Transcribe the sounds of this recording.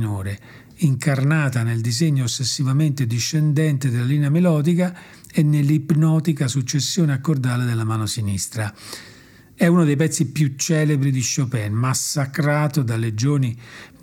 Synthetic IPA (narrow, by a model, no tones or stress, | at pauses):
noːɾe | iŋkarnaːt̪aneld̪izeɲːoːsːesːivament̪ed̪iʃːend̪ɛnt̪ed̪elːaliːneamelɔːd̪ika | enːelːipnɔːt̪ikasut͡ʃːesːjoːneakːord̪aːled̪elːamaːnosinist̪ɾa | ɛunod̪ejp̬ɛt̪sːipjut͡ʃːɛːlebɾid̪iʃopɛnmasːakɾaːt̪od̪alːed͡ʒoːni